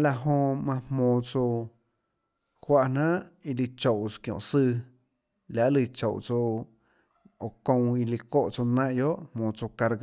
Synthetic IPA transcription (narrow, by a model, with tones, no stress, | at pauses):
la˧ʔɦõ˧mã˧hmõː˨t͡so˧ | hwa˦ʔn̥ã˦ʔi˧li˧t͡ʃo˨wkjõ̰˨sɨː˦˧ | lja˧ʔli˧˨t͡ʃo˨wt͡so˧ | o˨kõ˧w̃i˧li˧ko˦ʔt͡so˧nãː˦ʔjo˦ʔmõː˨t͡so˧ka˧ɾɡ